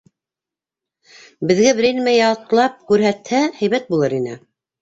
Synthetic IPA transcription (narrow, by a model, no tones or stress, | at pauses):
bɘ̆ðɡæbɘ̆ɾinmæjɑɤqlˠɑp̚kʉɾɦæt̪hæhæjβæt̪̚bulˠɤɾinɘ